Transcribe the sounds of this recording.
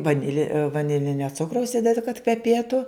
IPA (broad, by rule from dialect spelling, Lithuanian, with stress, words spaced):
ʋɐˈnʲɪlʲɛ ʋɐˈnʲɪlʲɪnʲoː ˈt͡sʊkrɐʊs ˈɪdʲɛdʲɪ kɐt kʋʲɛˈpʲeːtʊ